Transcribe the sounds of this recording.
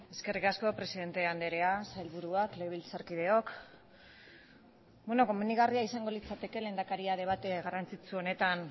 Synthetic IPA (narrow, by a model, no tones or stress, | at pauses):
e̞ske̞rikasko̞pɾe̞siðe̞nt̪e̞and̪eɾe̞asajlβuɾuakleβ̞ilsaɾkið̞e̞o̞k | bweno̞ko̞muniɣ̞ariaisaŋɡo̞lit͡sat̪e̞ke̞le̞ːnd̪akaɾiaðe̞β̞at̪eɣarant͡sit͡suo̞ne̞t̪an